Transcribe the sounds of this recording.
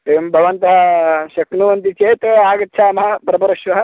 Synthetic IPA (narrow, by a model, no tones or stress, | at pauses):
eːʋɐmbʱɐʋɐnt̪ɐɦɐʃɐknuʋɐnt̪it͡ʃeːt̪aːɡɐt̪ːʃʰaːmɐɦɐ̆pɾɐpɐɾɐʃʋɐɦɐ̆